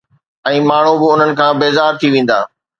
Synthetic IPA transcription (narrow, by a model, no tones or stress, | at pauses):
ɛ̃ːmaːɳ̤ubɪʊn̤ənɪ̆kʰãːbeːzaːɾt̪ʰiʋẽːn̆d̪a̰ː